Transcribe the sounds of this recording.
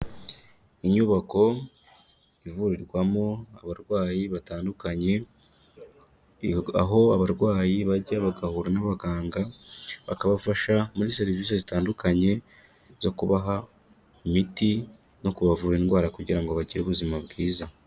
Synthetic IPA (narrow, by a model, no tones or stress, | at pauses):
iɲuβako̞ | ivuɾiɾɡwamoaβaɾɡwaːjiβataːndukaɲe̞ | a̰ɦo̞aβaɾɡwaːjiβaɟaβaɡahuɾanaβaɡaːŋɡaβa̰kaβafaʃamuɾise̞ɾiviːsezitaːndukaɲe̞ | zo̞kuβaɦa | imiti | no̞kuβavuːɾeːnɡwaːɾakuɟiɾaŋɡoβaɟiɾuβuzimaβɡiːza